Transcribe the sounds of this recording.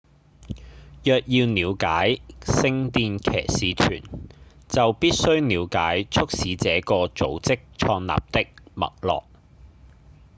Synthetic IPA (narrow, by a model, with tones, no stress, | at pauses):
jœː˨k̚jiː˧wniː˨˧wkaː˨˥jsɪ˧ŋt̪iː˧nkʰɛ̰ː˨˩siː˨˧t͡ʃʰy̰ː˨˩n | t͡sɐ˨wpiː˥t̚sɵ˥ɥniː˨˧wkaː˨˥jt͡ʃʰɵ˥k̚siː˨˥t͡sɛː˨˥kɔː˧t͡so˨˥wt͡sɪ˥k̚t͡ʃʰɔː˧ŋna̰ː˨p̚t̪ɪ˥k̚mɐ̰˨k̚lɔ̰ː˨k̚